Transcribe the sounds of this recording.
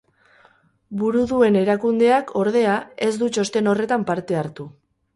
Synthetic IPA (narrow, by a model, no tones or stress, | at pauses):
buɾuðue̞ne̞ɾakund̪e̞akʰo̞ɾð̞e̞ae̞zd̪ut͡ʃo̞st̪e̞no̞re̞t̪ampaɾt̪e̞aɾt̪u